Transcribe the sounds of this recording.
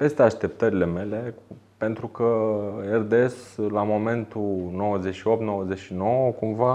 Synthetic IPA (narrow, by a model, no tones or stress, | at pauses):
pe̞st̪e̞aʃt̪e̞p̚t̪əɾile̞me̞le̞ | pe̞nt̪ɾukəerd̪eslamo̞me̞nt̪uno̞wəze̞ʃio̞p̚t̪no̞wəzeʃino̞wəkumva